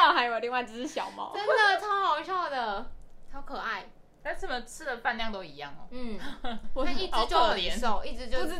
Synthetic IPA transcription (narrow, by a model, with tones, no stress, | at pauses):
ɑ˥˩xa˧˥ɪjo˨˩li˥˧ŋwa˩ɪt͡s̩˥˩ʂɻ̩˥˧˩ɕjɑ˨˩ʊmɑ̰˧˦ə˦˥nd̪ə˨t͡sʰɑ˥˦ʊxɑ˨˧ʊɕjɑ˥˩ʊd̪ə˩t͡sʰɑ˧˥ʊkʰɤ˨˩a˥˩ɪ | t̪a˥˧nʂə˨˩mə˩t͡sʰɹ̩˥d̪ə˨fa˥˧nljɑ˥˨ŋt̪o˥ʊi˧˦jɑ̰˥˩ŋɔ̰˨˩n̩˥˩wɔ˨˩˥i˥˩t͡s̩˧˦t͡ɕjo˥˩˥ə˨˩jɛ˨˧˦nso˥˧ʊi˥˩ʈ͡ʂɻ̩˧t͡ɕjo˥˧˥